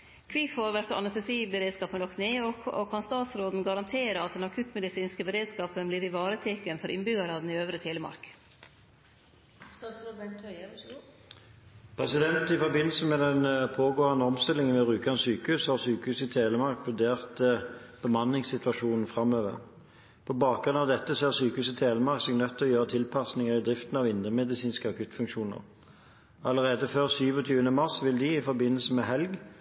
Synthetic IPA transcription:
kʰʋifoɾʋæɾt̪ɑ̰nɛst̪əsiːbəɾeːd̪skɑːpənlɔkt̪neːɔɔ̰kʰɑnst̪ɑːt̪sɾoːd̪n̩ɡɑɾɑnt̪ʰeːɾəɑt̪̚d̪ɛnɑkʰʉt̪mɛd̪ɪsiːnskəbəɾeːd̪skɑːpənbliːɾɪʋɑːɾət̪ʰekənfɔɾʔɪnbʏɡɑɾɑd̪n̩ɪøːʋɾət̪ʰeːləmɑ̰ɾk | st̪ɑsɔbɛt̪ʰ | pʰʁɛsɪd̪ɛnt̪ɪfɔʁbɪnːl̩səmɛd̪ɛnpʰoːɡoːɑnəɔmst̪ɪlɪŋənʋɛʁʉːkɑnəsyːkəʉːshɑʁsyːkəʉːsɪt̪ʰeːləmɑʁkʋʉd̪eːʁt̪b̥əmɑnːɪŋsɪt̪ʋɑʃuːnn̩fʁɑmøːʋə̰ʁ | pʰɔbɑːk̚ɡʁʉnɑʋd̪ɛt̪ːəseːʁsyːkəʉːsɪt̪ʰeːləmɑʁksɛɡnœt̪ʰːɔjøːʁət̪ʰɪlpʰɑsnɪŋəʁɪd̪ʁɪft̪n̩ɑʋɪnd̪əʁmɛd̪ɪsiːnskəɑkʰʉt̪fʉŋkʃuːnə̰ʁ | ɑləʁeːd̪əføːʁsyːʋɔt̪ʰyːənəmɑʁsʋɪld̪ɪɪfɔʁbɪnːəl̩səmɛɦɛlɡ

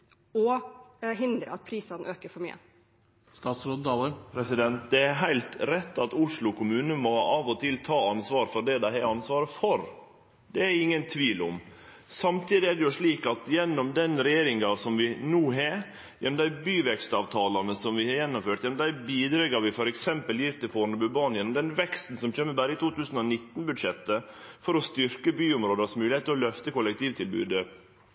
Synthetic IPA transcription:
ɔɦɪnd̪ɾə̰ɑt̪̚pʰɾiːsɑnʔøːkəɾfɔɾmy̰ːə̰ | st̪ɑːt̪sɾod̪t̪ʰɑːləɾpʰɾɛsɪd̪ɛnt̪̚d̪ɛæɾɦæɪlt̪ɾɛt̪ːɑt̪ʊʂlʊkʰʊmʉːnəmɔɑːʋɔt̪ʰɪlt̪ʰɑːɑnsʋɑːɾfɔɾɖ̪ɛd̪æɪɛɾɑnsʋɑːɾəfɔɾ | d̪ɛæɾɪŋːənt̪ʰʋiːlʊm | sɑmt̪ʰiːd̪ɪæɖɛjʊʂɭiːkɑt̪jɛnːɔmd̪ɛnɾɛjeːɾɪŋɑsɔmʋɪnuːɦe | jɛnːɔmd̪æɪbyːʋɛkst̪ɑːʋt̪ʰɑːlɑnəsɔmʋɪhɑɾjɛnːɔmføːʈjɛnɔmd̪æɪbiːd̪ɾɛɡɑɾʋɪfɔɾɛksɛmpəljiːɾt̪ʰɪlfoːɾnəbʉbɑːnjɛnːɔmd̪ɛnʋɛkst̪n̩sɔmçøːmːəbæːɾəɪt̪ʰuːt̪ʉːsən̩ɔnɪt̪ːnbʉd̪ʂɛt̪ːə | fɔɾɔst̪ʏɾkəbyːʊmɾoːd̪əsmʉːlɪheːt̪ʰːɪlɔlœft̪əkʊlɛkt̪iːʋt̪ʰɪlbʉ̰ːd̪ə

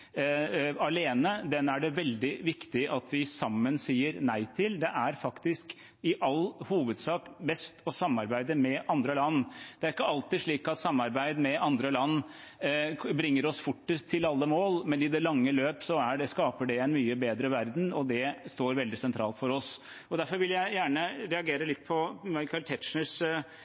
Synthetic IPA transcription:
ɑleːnəd̪ɛnæɖɛʋɛld̪ɪʋɪkt̪ɪʔɑt̪ʰʋɪsɑmːənsiːəɾnæɪt̪ʰɪld̪ɛʔæɾfɑkt̪ɪsk | ɪʔɑlhuːʋəd̪sɑːkbɛst̪ʰɔsɑmːɑɾbæɪd̪əmɛʔɑnd̪ɾəlɑnːd̪ɛæɾɪkːəɑlt̪ɪʂɭiːkɑt̪sɑmːɑɾbæɪd̪mɛʔɑnd̪ɾəlɑnː | bɾɪŋːəɾɔsfʊʈːət̪ʰːɪlɑlːəmoːlmɛnɪd̪ɛlɑŋːəløːpsɔæɖɛskɑːpəɖɛɛɪnmyːəbeːd̪ɾəʋæɾd̪n̩ɔd̪ɛst̪oːɾʋɛld̪ɪsɛnt̪ɾɑ̰ːlt̪fɔɾɔs | ɔd̪æɾfɔɾʋɪljæɪjæːɳəɾɛɑɡeːɾəlɪt̪ːpʰɔmɑɪkɑɪlt̪ʰɛt̪ʂnəs

